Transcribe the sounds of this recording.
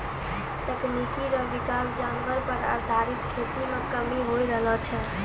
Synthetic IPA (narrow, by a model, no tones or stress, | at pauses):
t̪əknikiɾəʋikasd͡ʒãŋɡʋəɾpəɾa̰ɾd̪ʱaɾit̪kʰet̪imekəmiɦojɾəɦlət͡ʃʰɛ